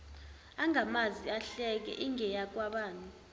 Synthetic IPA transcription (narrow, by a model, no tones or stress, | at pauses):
aŋamaziaɬɛk̬ɛ̰ʔiŋʱɛjak̬ʼwaɓaːnʼu